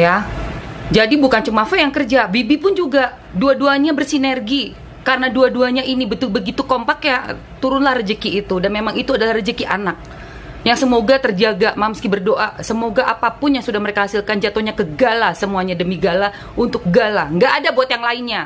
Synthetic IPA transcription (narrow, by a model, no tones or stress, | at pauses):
ja | d͡ʒadibukant͡ʃumafɛjaŋkərd͡ʒabibipʊnd͡ʒuɡa | duaduaɲabərsinerɡi | kaɾənaduaduaɲainibət̪ʊlbəɡit̪ukompakja | t̪uɾʊnlahrəd͡ʒəkiːt̪udanmemaŋit̪uadalahrəd͡ʒəkiʔanak̚ | jaŋsəmoɡat̪ərd͡ʒaɡamaməskibərdoʔasəmoɡaʔapapʊnjaŋsudahməɾekahasɪlkand͡ʒat̪oɲakəɡalasəmuaɲadəmiɡala | ʔunt̪ʊk̚ɡalaŋɡaʔːdabuat̪jaŋlaɪnɲa